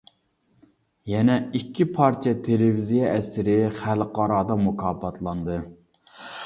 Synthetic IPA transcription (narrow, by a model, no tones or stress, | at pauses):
jɛnɛikʲʰːipʰɑɾt͡ʃʰijɛt̪ʰelevizijɛʔɛsɪɾɪχælqɑɾɑːd̪ɑmukʰɑːpʰɑt̪ʰlˠɑnd̪ɨ